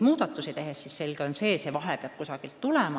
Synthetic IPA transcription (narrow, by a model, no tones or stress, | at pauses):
muːd̪̥ɑt̪ːˑusit̪e̞ɦesːisse̞lɡ̥eo̞nseːse̞vɑɦepeɑp̚kusɑɡ̥ilt̪ːulemɑ